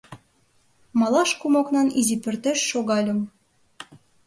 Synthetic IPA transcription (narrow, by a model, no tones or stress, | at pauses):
mɑlɑʃkumɑknɑnizipø̆rt̪eʃːoɣɑlʲə̆m